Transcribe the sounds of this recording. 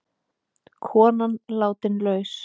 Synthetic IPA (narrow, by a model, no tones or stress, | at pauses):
kʰɔːnanlaːwt̪ɪnlœːɥs